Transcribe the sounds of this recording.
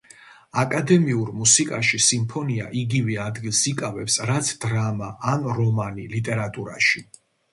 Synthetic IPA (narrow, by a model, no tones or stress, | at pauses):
akʼad̪ɛmiuɾmusikʼaʃisimpʰɔnia̰ʔiɡivɛad̪ɡilˠsikʼavɛpsɾat̪sʰd̪̥ɾamaʔamɾɔmanilit̪ʼɛɾat̪ʼuɾa̰ʃi